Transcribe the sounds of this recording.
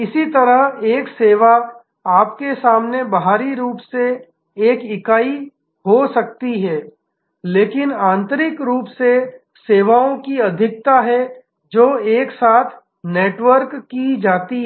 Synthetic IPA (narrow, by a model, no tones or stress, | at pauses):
ɪsit̪ɐɾəɦeːkseːʋa | aːpkesaːmnebɐɦaːɾiɾuːpse | eːkɪkaːi | ɦosɐk̚t̪iɦɛː | leːkɪnãːnt̪əɾɪkɾuːpse | seːʋaõkiɐd̪ʱɪk̚t̪aɦɛ | d͡ʒoːeːksaːt̪ʰ | neːʈʋəɾkːid͡ʒaːt̪iɦ